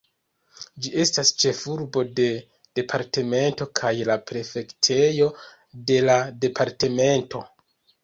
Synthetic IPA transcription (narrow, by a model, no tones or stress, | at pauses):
d͡ʒie̞stast͡ʃe̞fuɾbo̞de̞ | d̥e̞pʰaɾte̞me̞nto̞kʰajlapɾe̞fe̞ktʰe̞jo̞ | de̞lade̞pʰaɾte̞me̞nto̞